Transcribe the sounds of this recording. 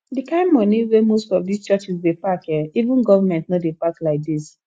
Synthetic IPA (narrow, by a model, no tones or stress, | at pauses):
dikãɪ̃mmɔniwemostɔvdist͡ʃat͡ʃisdepakɛivũnɡɔvamɛ̃ntnɔdepaklaɪk̚dis